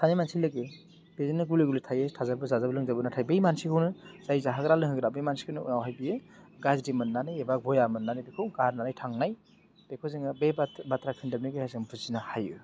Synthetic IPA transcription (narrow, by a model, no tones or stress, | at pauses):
sʰanimansilːɯɡe | b̥ezinɯɡuliɡulitʰajetʰazabɯzazabɯlɯŋzabɯnatʰajbejmansikʰɯwnɯz̥ajzaɦaɡɾalɯŋhɯɡɾabejmansi̥kʰɯnɯawɦajbiɯɡazdimɯnːanajebak̚bɔjamɯnːanajbekʰowɡaɾnanajtʰaŋnaj | b̥ekʰoziŋɯbebatɾakʰɯndɯm̚niɡɯhazɯmbʰɯzinahajɯ̰